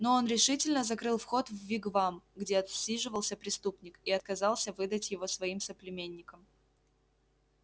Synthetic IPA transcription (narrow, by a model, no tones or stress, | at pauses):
no̞o̞nɾʲɪʂɨtʲɪlʲnəzɐkɾɨlˠfxo̞t̪vːʲiɡvamɡdʲe̞ɐt̪sʲiʐɨvəlˠsʲəpɾʲɪst̪upnʲɪkiɐt̪̚kɐzɑlˠsʲəvɨd̪ətʲjɪvo̞svɐimsəplʲɪmʲenʲːɪkəm